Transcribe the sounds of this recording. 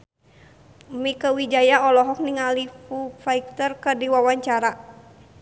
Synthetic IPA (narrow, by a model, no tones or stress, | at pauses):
mikəwid͡ʒajaɔlɔɦɔk̚niŋalifufaik̚t̪ərkədiwawaɲt͡ʃaɾa